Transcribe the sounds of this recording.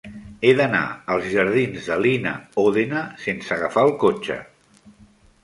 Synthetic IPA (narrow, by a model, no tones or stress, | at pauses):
eðəna̰əlˠzʒəɾð̞inzðəlinə̰oðenəsensəɣəfaəlˠkot͡ʃə̰